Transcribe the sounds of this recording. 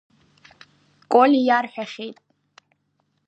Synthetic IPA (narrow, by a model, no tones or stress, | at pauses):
kʷʼolijarħᶣaχʲejtʼ